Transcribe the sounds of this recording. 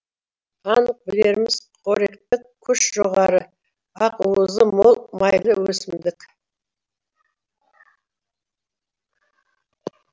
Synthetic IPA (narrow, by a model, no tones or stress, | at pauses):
ɑnəq̚bɪle̞ɾmɪzqʰoɾekt̪ɪkʲʰːʏʃʒ̥oʁɑɾə | ɑquəzəmo̞lˠmɑjlˠəwɵsɪmd̪ɪk